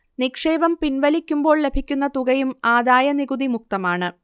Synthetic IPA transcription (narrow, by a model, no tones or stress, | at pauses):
nikʂe̞ːbɐmpinʋɐlikʲːumbo̞ːɭle̞bʱikʲːunːɐt̪uɣɐjumaːd̪aːjɐniɣud̪imuk̚t̪ɐmaːɳɨ